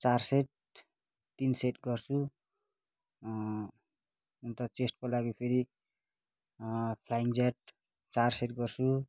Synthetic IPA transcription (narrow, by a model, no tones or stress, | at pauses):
t͡sarseʈ̚ | t̪inseʈɡʌrt͡sʰu | unt̪ʌt͡sesʈkolaɡipʰeɾi | pʰlajiŋd͡zaʈ̚ | t͡sarseʈɡʌrt͡sʰu